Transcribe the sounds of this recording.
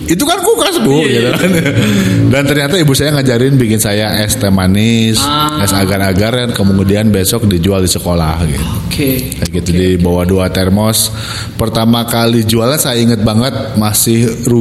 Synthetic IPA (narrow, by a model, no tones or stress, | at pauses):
it̪ukankukasbuɡat̪uan | dant̪ərɲat̪aibusajaŋad͡ʒaɾɪnbikɪnsajaʔɛst̪ɛmanɪsɛsaɡaraɡarjankəmuŋudianbesɔk̚did͡ʒualdisəkola̰hɡḭt̪uke | aɡit̪adibawaduat̪ɛrmɔs | pərt̪amakalid͡ʒualasajaiŋət̪̚baŋət̪̚masɪhru